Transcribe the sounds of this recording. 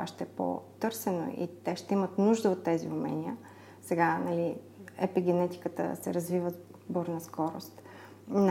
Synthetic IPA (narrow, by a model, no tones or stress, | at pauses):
a̰ʃt̪ɛɛpo̰t̪ɤɾsɛno̰ʔḭt̪ɛʃt̪ɛimət̪nuʒd̪əot̪ːɛzḭʊmɛ̰niə | sɛɡanɐli | ɛ̰piɡɛnɛt̪i̥kət̪ə̰sɛ̰ɾɐzvivə | bɔɾnɐskɔɾo̰st̪ | n